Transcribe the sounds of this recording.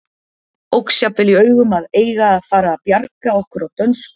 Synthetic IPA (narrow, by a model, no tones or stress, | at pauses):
owksjapvɪliœːɥɣʏmaðeːjɣaːðfaːɾaːpjaɾkaɔhkʏɾawt̪œns